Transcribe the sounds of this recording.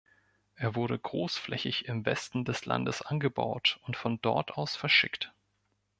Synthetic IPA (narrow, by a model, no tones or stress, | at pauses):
ʔeːɐvʊɐɾəɡʁoːsflɛ̰çɪçɪmvɛstn̩dɛslʔa̰ndəsʔanɡəba̰ʊtʊntfɔndɔɐtʰʔaʊsfɛɐʃɪkt